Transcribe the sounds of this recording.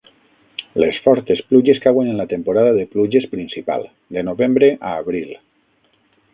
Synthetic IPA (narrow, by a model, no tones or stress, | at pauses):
lesfɔɾt̪espluʒeskawenenlat̪empoɾaðaðepluʒespɾinsipa̰lˠ | d̪enoβembɾeʔaːβɾilˠ